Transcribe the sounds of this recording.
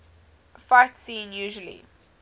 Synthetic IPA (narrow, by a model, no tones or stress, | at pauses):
faɪtsĩːnjuːʒəlḭ